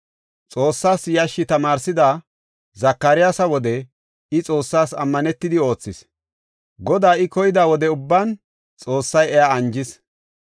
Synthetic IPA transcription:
t͡sʼo̞ːsːaːsjɐʃːɪt̪ɐmaːɾsɪd̪aː | zɐkːɐɾɪjaːsɐwɔd̪ɛ | ɪt͡sʼo̞ːsːaːsɐ̰mːɐnɛt̪ːɪd̪ɪo̞ːt͡sːɪs | ɡɔd̪aːɪkɔjɪd̪aːwɔd̪ɛʊbːaːn | t͡sʼo̞ːsːɐjɛjaɐnd͡ʒɪs

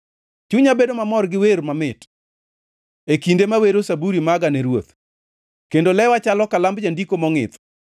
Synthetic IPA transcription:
t͡ʃuɲabedomamɔrɡɪweɾmamɪt | ekindemaweɾosabuɾimaɡanɛɾwot̪ | kendolɛwat͡ʃalɔkalambd͡ʒandikomɔŋɪ̰t̪

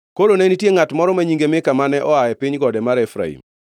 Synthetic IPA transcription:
kolonenitjeŋatmɔɾɔmaɲiŋɡemɪkamanɛʔɔajɛpɪɲɡɔdɛmaɾɛfɾa̰ḭm

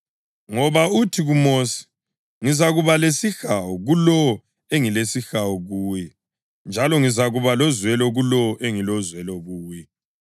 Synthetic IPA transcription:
ŋɔβautʰiɣumoːsi̥ | ŋizaɣuβalesixawɔɣulɔ | eŋilesixawɔɣuːjɛ | nd͡ʒʱalɔŋizaɣuβalɔzwɛlɔɣulɔʔeŋilɔzwɛlɔɣuːjɛ

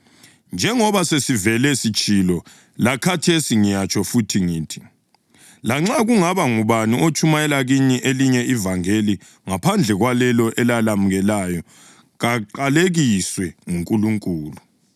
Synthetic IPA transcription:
nd͡ʒʱɛŋɔβasesivɛlɛsit͡ʃʼilɔ | lakʰatʰesiŋijat͡ʃʼɔfutʰiŋiːtʰi̥ | laŋ͡ǁaɣuŋaβaŋuβaniʔot͡ʃʼumajɛlaɣiɲɛʔeliɲɛivaŋeli | ŋapʰand͡ɮʱɛɣwalɛlɔʔɛlalamuɣɛlajɔ | ɣaǃaleɣiswɛŋuŋkʼuluŋkʼuːlu

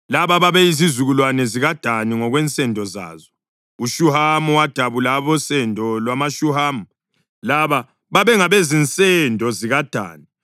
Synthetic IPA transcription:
laβaβaβɛizizuɣulwanɛziɣad̥ʱaniŋɔɣwɛnt͡sʼɛndʱɔza̰ːzɔ | uʃuɦamuwad̥ʱaβulaβɔsɛndʱɔlwamaʃuɦaːmu | laβa | βaβɛŋaβezint͡sʼɛndʱɔziɣad̥ʱa̰ːni

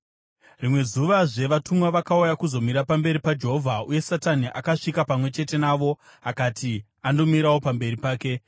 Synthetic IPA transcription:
rimwe̞zuʋaʐe̞ʋatumwaʋakaujakuzo̞miɾapambe̞ɾipad͡ʒe̞ɦo̞vʱauje̞sataniʔakaʂikapamwe̞t͡ʃe̞te̞naʋo̞ | akatʰi | ando̞miɾawopambe̞ripaːke̞

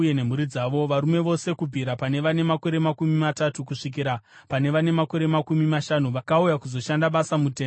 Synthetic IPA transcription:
jene̞m̤uɾid͡zaːʋo̞ʋaɾume̞ʋo̞se̞kubʱiɾapane̞ʋane̞mako̞ɾe̞makumimatatukuʂik̬iɾa | pane̞ʋane̞mako̞ɾe̞makumimaʃanuʋakaujakuzo̞ʃandaɓasamuteː

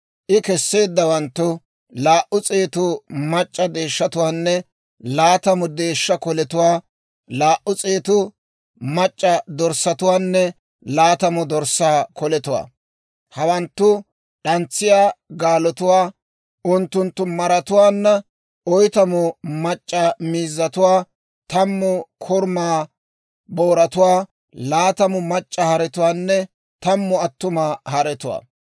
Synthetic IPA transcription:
ʔɪkɛsːe̞ːd̪ːɐwɐnt̪ːʊ | laːʔʊt͡sʼeːt̪ʊmɐt͡ʃʼːɐd̪e̞ːʃːɐt̪ʊwaːnːɛ | laːt̪ɐmʊd̪e̞ːʃːɐkɔlɛt̪ʊwaː | laːʔːʊt͡sʼeːt̪ʊ | mɐt͡ʃʼːɐd̪ɔɾsːɐt̪ʊwaːnːɛ | laːt̪ɐmʊd̪ɔɾsːaːkɔlɛt̪ʊwa̰ː | hɐwɐnt̪ːʊ | ɗɐnt͡sːɪjaːɡaːlɔt̪ʊwaː | ʔʊnt̪ːʊnt̪ːʊmɐɾɐt̪ʊwaːnːɐ | ɔjt̪ɐmʊmɐt͡ʃʼːɐmiːzːɐt̪ʊwaː | t̪ɐmːʊkʰɔɾmaː | boːɾɐt̪ʊwaː | laːt̪ɐmʊmɐt͡ʃʼːɐhɐɾɛt̪ʊwaːnːɛ | t̪ɐmːʊɐt̪ːʊmaːhɐɾɛt̪ʊwa̰ː

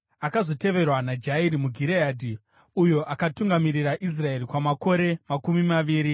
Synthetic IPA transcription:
akazo̞te̞ʋe̞rwanad͡ʒaiɾimuɡʱiɾeaːdʱi | ujo̞ʔakatuŋɡamiriraʔis̬rae̞rikwamako̞ɾe̞makumimaʋiːɾi

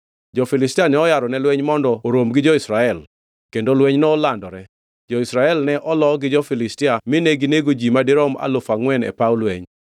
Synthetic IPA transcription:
d͡ʒɔfɪlɪstianɛɔjaɾɔnɛlwɛɲmɔndɔoɾomɡɪd͡ʒɔɪsɾaɛl | kendolwɛɲnɔːlandɔɾɛ | d͡ʒɔɪsɾaɛlnɛʔɔlɔɡɪd͡ʒɔfɪlɪstɪamɪneɡɪneɡod͡ʒimadɪɾɔma̰lʊfaŋwɛnɛ̰paʊlwɛɲ

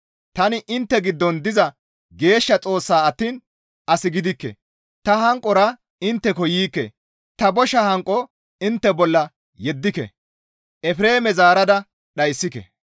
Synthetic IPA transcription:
t̪ɐnɪʔɪnt̪ːɛɡɪd̪ːɔnd̪ɪzɐ | ɡe̞ːʃːɐt͡sʼo̞ːsːaːɐt̪ːiːn | ʔɐsɪɡɪd̪ɪkːɛ̰ | t̪ɐɦɐŋkʼːɔɾɐ | ɪnt̪ːɛkɔjiːkːɛ̰ | t̪ɐbɔʃɐhɐŋkʼːɔ | ɪnt̪ːɛbɔlːɐ | jɛd̪ːɪkɛ̰ | ʔɛfɾe̞ːmɛzaːɾɐd̪ɐ | ɗɐjsːɪkɛ̰

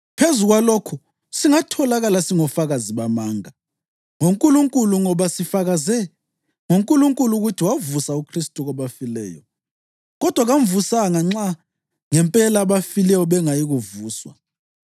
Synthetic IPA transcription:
pʰezuɣwalokʰu | siŋatʰɔlaɣalasiŋɔfaɣaziβamaːŋa | ŋoŋkʼuluŋkʼuluŋɔβasifaɣazɛ | ŋoŋkʼuluŋkʼuluɣutʰiwavusaukʰristʼuɣɔβafilɛ̰ːjɔ̰ | ɣɔd̥ʱwaɣaɱvusaŋaŋ͡ǁa | ŋɛmpʼɛlaβafilɛjɔβɛŋajiɣuvuːswa̰

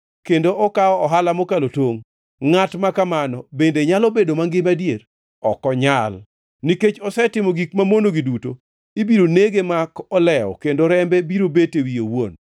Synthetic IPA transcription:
kendoʔɔkaɔɔɦalamokalotoŋ | ŋatmakamanɔbendeɲalobedomaŋɡɪmadjer | ɔkɔɲal | niket͡ʃɔsɛtɪmɔɡikmamonoɡiduto | ibiɾoneɡemakɔlɛɔ̰kendoɾɛmbɛbiɾobetewijowon

